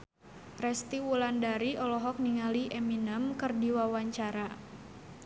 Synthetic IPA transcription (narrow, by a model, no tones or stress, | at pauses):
rɛst̪iwulandaɾiʔɔlɔɦɔk̚niŋaliʔeminəmkərdiwawaɲt͡ʃaɾa